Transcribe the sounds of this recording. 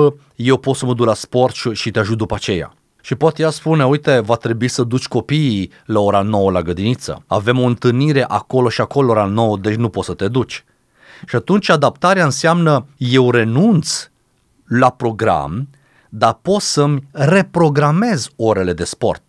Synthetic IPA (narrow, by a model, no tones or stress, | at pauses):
je̞wpo̞t̪səməd̪uklaspo̞rt̪ʃʃit̪eaʒut̪̚d̪upaat͡ʃe̞ja̰ | ʃipoat̪jaspuneujt̪e̞vat̪ɾe̞buisəd̪ut͡ʃʲko̞piː | lao̞ɾano̞wəlaɡəd̪init̪sə̰a̰ve̞mo̞ɨnt̪ɨlniɾe̞ʔako̞lo̞ʃiako̞looɾano̞wəd̪e̞t͡ʃʲnupot̪sət̪e̞d̪ut͡ʃʲ | ʃiat̪unt͡ʃʲad̪apt̪aɾeaɨnseamnəje̞wɾe̞nunt̪s | lapɾo̞ɡɾa̰m | d̪apo̞t̪səmʲre̞pɾo̞ɡɾame̞zo̞ɾe̞le̞d̪e̞spo̞̰rt̪̚